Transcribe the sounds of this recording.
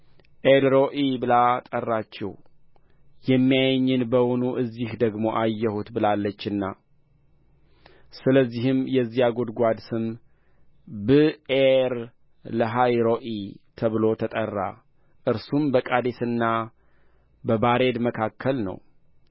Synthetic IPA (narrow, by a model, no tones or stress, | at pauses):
ʔelɾoʔibɨlat̪ʼərːat͡ʃːɛ̰w | jɛmːijajɲːɨnbəwonuʔɨzːihd̪əɡmo̞ʔajːɛhut̪bɨlalːət͡ʃːɨnːa | sɨləzːihɨmjɛzːijaɡod̪ɡʷad̪sɨm | bɨeɾ | ləɦajɾoʔit̪ʰəβɨlo̞t̪ʰət̪ʼərːa̰ | ʔɨɾsumbəkʼad̪esɨnːa | bəbaɾe̞d̪məkʰakʰːəlnə̰w